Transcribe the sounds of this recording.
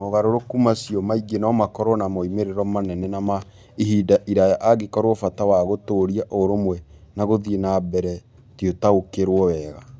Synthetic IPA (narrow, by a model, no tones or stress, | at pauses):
moɣaɾoɾokumasiɔmaiɡenaɔmakɔɾɔnamoimeɾeɾɔmanɛnɛnama | iɦidaʔiɾajaʔaɡekɔɾwɔfatawaɣotoɾiaʔoɾomwɛnaɣoðienabɛɾɛ | tjotaɣokeɾwɔwɛɣa